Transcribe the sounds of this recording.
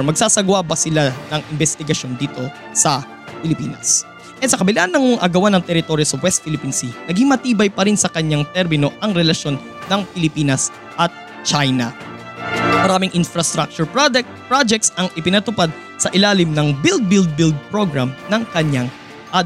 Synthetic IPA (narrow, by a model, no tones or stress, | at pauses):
mɐɡsaːsɐɡʊwaːbɐsɪlanɐŋʔɪnbɛst̪ɪɡɐʃo̞nd̪iːt̪o̞ | sɐ | pɪlɪpiːnɐ̰s | ʔɛsɐkɐbɪlaʔnːɐŋoŋʔɐɡɐwanɐŋt̪ɛɾɪt̪o̞ɾjosɐwɛst̪̚fɪlɪpiːnsɪnɐɡiŋmɐt̪iːbɐjpɐɾɪnsɐkɐɲaŋt̪ɛɾmɪno̞ʔɐŋɾɛlɐʃo̞nːɐŋpɪlɪpiːnɐs | ʔɐt̪̚ | t͡ʃajnɐ̰ | mɐɾaːmɪŋʔɪnfɾɐst̪ɾak̚t͡ʃʊɹpɹaɛ | pɹad͡ʒɛk̚t̪sɐŋʔɪpɪnɐt̪ʊpad̪̚ | sɐʔɪlaːlɪmnɐŋbɪld̪̚bɪld̪̚bɪld̪̚pɹoɡɾamnɐŋkɐɲaŋ | ʔad̪